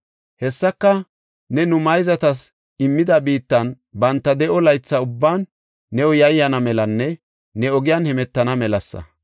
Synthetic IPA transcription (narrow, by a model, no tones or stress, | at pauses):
hɛsːɐkːɐ | nɛnʊmɐjzɐt̪ɐs | ɪmːɪd̪ɐbiːt̪ːɐn | bɐnt̪ːɐd̪ɛʔɔlɐjt͡sːɐʊbːaːnː | ɛwɔjɐjːɐnɐmɛlɐnːɛ | nɛɔɡɪjaːnhɛmɛt̪ːɐnɐmɛlɐsːɐ̰